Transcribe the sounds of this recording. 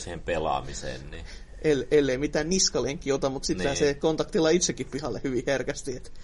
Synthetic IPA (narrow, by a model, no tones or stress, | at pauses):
sihempelɑ̰misḛːnni | ʔelelːeimit̪ænniskɑleŋkːiot̪ɑmmut̪sit̪ːhæsekont̪ɑkt̪ilːˑɑit̪sekːippihɑlːehyʋiherkæst̪iet̪